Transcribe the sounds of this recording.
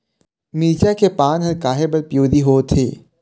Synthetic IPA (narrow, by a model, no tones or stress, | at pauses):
miːt͡ʃakepaːnɦɐɾkaːɦebɐɾpjoːd̪iɦoːt̪ʰḛː